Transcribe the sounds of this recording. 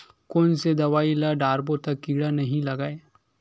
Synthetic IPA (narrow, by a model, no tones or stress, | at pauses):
koːnsed̪ɐʋaːilɐɖaːɾbot̪ɐkːiːɽanɐɦĩlɐɡaːe